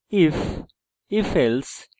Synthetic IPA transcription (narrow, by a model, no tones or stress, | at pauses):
ɪf | ɪfɛls